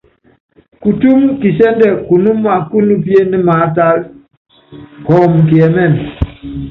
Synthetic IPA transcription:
ku˨tu˦mki˨sɛ˦n˦dɛ˨ku˨nu˦ma˨ku˦nu˦pje˦ni˦ma˨˦t̬a˦l | kɔ˨mk̬i˨ɛ˨mɛ˦˨m

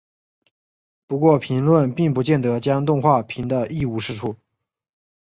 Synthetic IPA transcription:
pu˧˥kwɔ˥˩pʰi˧˥ŋlwə˥˧npi˥˩ŋpu˧˥t͡ɕjɛ˥˩nt̪ɤ˧˥t͡ɕjɑ˥ŋt̪ʊ˥˧ŋxwa˥˩pʰi˧˥nd̪ə˧ʔi˥˩u˧˥ʂɻ̩˥˧ʈ͡ʂʰu˥˩

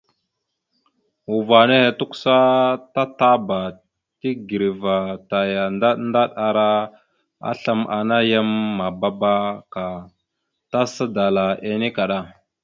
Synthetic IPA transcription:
u˨va˨ne˦he˨tu˦ksa˦ta˦ta˦ba˨ | ti˦ɡi˨ɾi˨va˨ta˨ja˨na˦nda˦ɗa˨ɾa˦ | a̰˦ɬa˦mʔa̰˨na˦ja˦mːa˨ba˦ba˦ka˨ | ta˦sa˦da˨la˨ʔe˨ni˦ka˨ɗa˦

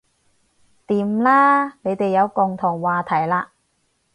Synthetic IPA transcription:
t̪iː˨˧mlaː˥ne˨˧jt̪e˨jːɐ˨˧wkʊ˨ŋt̪ʰʊ˨˩ŋwaː˨t̪ʰɐ˨˩jlaː˧

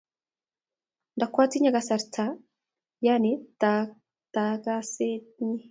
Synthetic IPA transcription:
nda˨kwaː˦t͡si˦ɲa˨ɡasa˨ɾtʰa˨ | ja˦ne˦ta | taɡa˦se˦ni˦

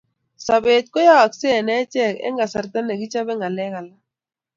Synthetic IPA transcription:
sa˨be˨t̪̚kɔ˦ja˦wa˨kse˦˨nɛ˦t͡ʃɛ˦˨kɛ̰˦ŋɡa˨sa˨ɾt̪a˦nɛ˨ɡi˦t͡ʃa˦bɛ˦ŋɡa˨lɛ˦ka˨la˦

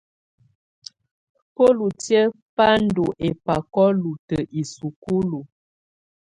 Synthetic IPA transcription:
ko˦lu˨tjə˦ | pa˦n̩˦du˨ʔe˨pa˨kɔ˦lu˨tə˨ʔi˨su˨ku˦lu˨

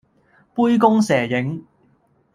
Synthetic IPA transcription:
puː˥jkʊ˥ŋsɛː˨˩jɪ˨˥ŋ

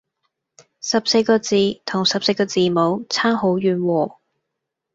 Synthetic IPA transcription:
sɐ˨p̚se˧jkɔː˧t͡siː˨˩t̪ʰʊ˨˩ŋsɐ˨p̚se˧jkɔː˧t͡siː˨˩mo˨˧wt͡sʰaː˥ŋɦo˨˥wjyː˨˩nwɔː˨˩

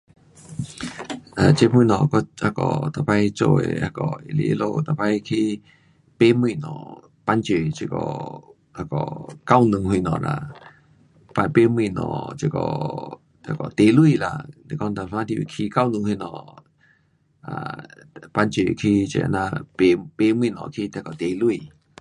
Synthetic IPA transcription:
ʔa˨t͡ʃe˧mi˧˨nɔ̃˨kɔ˦ha˧kɔ˨t̪a˨pa˧jt͡ʃo̰˧˨ḛ˧˨ha˧kɔ˨i˨lḭ˧˨ʔlo˧˨t̪a˨pa˧jkʰi˧ | pe˧˦mɨ˧˨nɔ̰̃˨ | pa˧nt͡ʃe˧˨t͡ʃe˧kɔ̰˧˨ | ha˧kɔ̰˨ka˧wnɨ̃˧ŋhwi˧˨nɔ̰̃˨la̰˧˨ | pa˧pe˦m˧ĩ˧˨nɔ̰̃˧˨t͡ʃi˧kɔ̰˧˨ | t̪a˧˨kɔ˨t̪e˧˨lwi˧˨la˧d̪e˧˨kɔ˧nt̪a˧hã˦d̪i˧i˧˨kʰi˧ka˦wnɨ̃˧ŋwi˧nɔ̰̃˧˨ʔ | a̰˨pa˧nt͡ʃe˧˨kʰi˧t͡ʃḛ˨nã˧pe˧pe˧˦m˧ĩ˧˨nɔ̰̃˨kʰi˧t̪e˧kɔ˨t̪e˨lwi˧˨

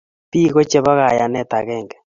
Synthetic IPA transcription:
pi˦ɣo˦t͡ʃe˦βa˦ɣa˨ja˨nɛ˦ta˨ɣɛː˦˨ŋɡɛ˨

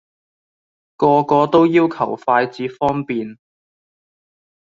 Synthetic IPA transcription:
kɔː˧kɔː˧t̪o˥wjiː˥wkʰɐ˨˩wfaː˧jt͡siː˨˥fɔː˥ŋpiː˨n

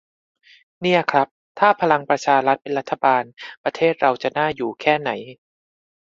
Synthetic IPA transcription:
ni˥˩ɐkʰɾa˦˥p̚t̪ʰaː˥˩pʰa˧la˧ŋpɾa˧t͡ɕʰaː˧ɾa˦˥t̪̚pe˧nɾa˦˥t̪ʰːa˧baː˧npɾa˧t̪ʰeː˥˩t̪̚ɾa˧wt͡ɕa˨˩naː˥˩juː˨˩kʰɛː˥˩na˩˦j

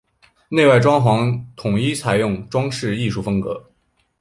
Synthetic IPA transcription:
ne˥˧ɪwa˥˩ɪʈ͡ʂwɑ˥ŋxwɑ˧˥ŋt̪ʰʊ˨˩ŋi˥t͡sʰa˨˩ɪjʊ˥˩ŋʈ͡ʂwɑ˥ŋʂɻ̩˥˧i˥˧ʂu˥˩fɤ˥ŋkɤ˧˥

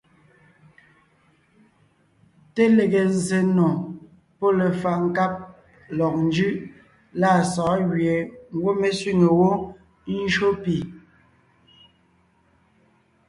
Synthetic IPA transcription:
te˦le˨ɣe˨ze˨no˨ | po˦le˨fa˨ŋ˨ka˦p̚ | lɔ˨k̚n˦d͡ʒʉ˦ʔ | la˦˨sɔː˨˦ɣɥe˨ŋ̩˦ɡwo˦me˨sɥi˦ŋe˨wo˦ | n̩˦ʃo˦pi˨

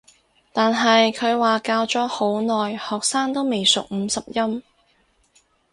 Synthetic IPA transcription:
t̪aː˨nɦɐ˨jkʰɵ˨˧ɥwaː˨kaː˧wt͡sɔː˨˥ho˨˥wnɔː˨˩jhɔː˨k̚saː˥ŋt̪o˥wme˨˩jsʊ˨k̚m̩ː˨˧sɐ˨p̚jɐ˥m

